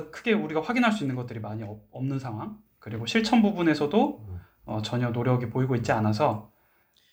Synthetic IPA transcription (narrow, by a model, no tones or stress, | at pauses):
kʰɯɡe̞uɾiɡaɸwaɡinɦaɭs͈uinːɯnɡʌt͈ɯɾimaɲiʌʌmnɯnsʰaŋɦwaŋ | kɯɾiɡoɕʰiɭt͡ɕʰʌnbubune̞sʰʌdo | ʌt͡ɕʌɲʌnoɾjʌɡipoiɡoit̚t͡ɕ͈ianas̬ʰʌ